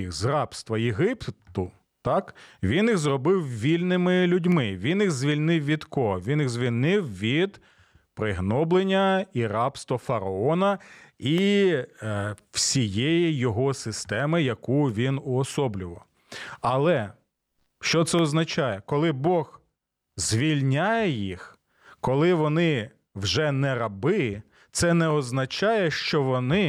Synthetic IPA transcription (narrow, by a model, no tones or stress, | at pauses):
xzrɑpst̪ʋɐjeɦɪpt̪ʊ | t̪ɑkʋʲinjiɣzrɔbɪwʋʲilʲnɪmɪlʲʊdʲmɪʋʲinjiɣzʲʋʲilʲnɪwʋʲid̪kɔɦɔʋʲiniɣzʲʋʲilʲnɪwʋʲid̪ | pɾɪɦnɔblˠenʲːɐiɾɑpst̪ʋɐfɐɾɐɔnɐi | wsʲijɛjijɔɦɔsɪst̪ɛmɪjɐkuʋʲinʊɔsɔblʲʊʋɔ | ɐlˠɛ | ʃt͡ʃɔt̪sɛɔznɐt͡ʃɑjɛkɔlˠɪbɔɣ | zʲʋʲilʲnʲajɛjix | kɔlˠɪʋɔnɪ | wʒɛnɛɾɐbɪ | t̪sɛnɛɔznɐt͡ʃɑjɛʃt͡ʃɔʋɔnɪ